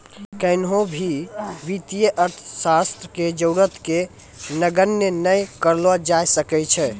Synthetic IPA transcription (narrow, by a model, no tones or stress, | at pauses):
kəɪnɦõbʱiʋit̪ijəʔəɾt̪ʰsast̪ɾəked͡ʒəʊɾət̪ke | nəɡənjənəjkəɾlɔd͡ʒajsəkɛt͡ʃʰɛ